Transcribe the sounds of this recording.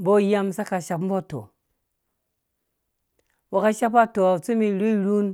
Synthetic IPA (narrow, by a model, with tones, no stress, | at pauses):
bo˦ja˦msa˦ka˨ʃa˨pm̩˦bo˦to̰˨ | wa˨ka˦ʃa˦pa˦to˨t͡su˦mi˧ɾu˦ɾu˦n